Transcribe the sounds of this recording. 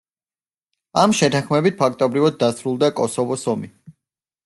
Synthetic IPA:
amʃɛt̪ʰãχmɛbit̪̚pʰak̚ʰt̪ʼɔbɾivad̪̚ːasɾulˠd̪akʼɔsɔvɔsɔmi

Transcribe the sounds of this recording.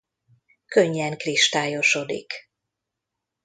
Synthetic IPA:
køɲːɛŋkriʃt̪aːjo̞ʃo̞d̪ḭk

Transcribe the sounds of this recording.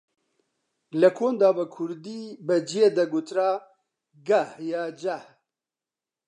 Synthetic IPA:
lɐkʰoːnd̪aːbɐkʰuɾd̪iːbəd͡ʒijed̪ɐɡut̪ɾaː | ɡahjɑːd͡ʒah

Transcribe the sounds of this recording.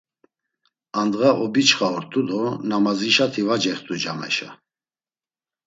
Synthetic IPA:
and̪ɣaʔɔbit͡ʃχaɔɾt̪ʼud̪ɔnamaziʃat̪ʰivad͡ʒɛχt̪ʰʼud͡ʒamɛ̰ʃa̰

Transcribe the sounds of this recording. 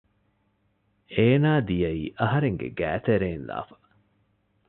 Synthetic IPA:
eːnaːd̪ijɐiːʔɐɦɐɾeŋɡḛɡæ̰ːt̪eɾeːnla̰ːfɐ̥

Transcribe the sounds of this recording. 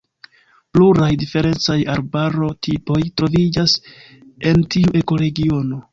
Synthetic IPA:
pluɾajdife̞ɾe̞nt͡sajaɾbaɾo̞tʰipo̞jtɾo̞vid͡ʒas | e̞ntiuʔe̞ko̞ɾe̞ɡio̞no̞

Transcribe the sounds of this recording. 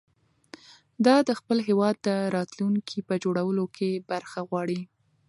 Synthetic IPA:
d̪ɑd̪əxpəlɦewɑd̪ːəɾɑt̪luŋkʰipəd͡ʒoɽawəlokʰebaɾxaɣwɑɽi

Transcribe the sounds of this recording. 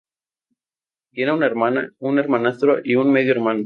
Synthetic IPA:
t̪jenaunaeɾmana̰une̞ɾmanast̪ɾoʔiunmeðjoeɾmano

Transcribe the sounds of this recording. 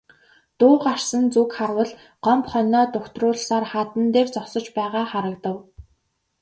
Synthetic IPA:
t̪ʊːɢar̥sə̆nt͡sukχarwə̆ɮ | ɢɔmpχœnɔːt̪ʊxt̪rʊːɮsaːrχaːt̪ə̆nt̪eːrt͡sɔsə̆t͡ɕpæːʁaːχaɾə̆k̚t̪ə̆w

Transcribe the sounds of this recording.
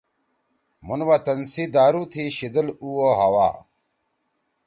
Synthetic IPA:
munwat̪ɐnsiːd̪aːɾuːt̪ʰiːɕid̪əluoːɦɐwa̰ː

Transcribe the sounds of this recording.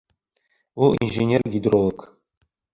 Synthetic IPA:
ulˠḭnʐenʲerɡʲid̪rolˠok

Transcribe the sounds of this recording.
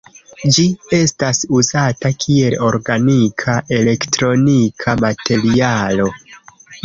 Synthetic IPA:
d͡ʒie̞stasuzatakʰie̞lo̞ɾɡanikʰaʔe̞le̞ktɾo̞nikʰamatʰe̞ɾialo̞

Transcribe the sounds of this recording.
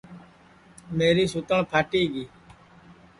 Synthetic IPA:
meːɾiːsʊt̪əɳpʰaːʈiːɡiː

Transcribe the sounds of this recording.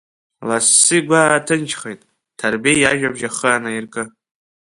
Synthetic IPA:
lasːiɡʷaːtʰɨnt͡ʃʰχejtʼ | tʰarbejjaʒᶣabʒaχəanairkʼɨ

